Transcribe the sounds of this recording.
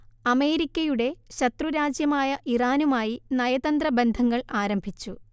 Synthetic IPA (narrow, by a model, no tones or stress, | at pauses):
ɐme̞ːɾikʲːɐjuɽe̞ɕɐt̪ruɾaːd͡ʑjɐmaːjɐʔiraːnumaːjinɐjɐðɐnd̪rɐbe̞nd̪ʱɐŋːɐɭaːɾɐmbʱit͡ɕːu